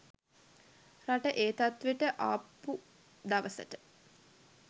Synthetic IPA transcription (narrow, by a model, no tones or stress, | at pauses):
raʈəʔeːt̪at̪ʋeʈəʔaːpːu | d̪aʋəsə̰ʈə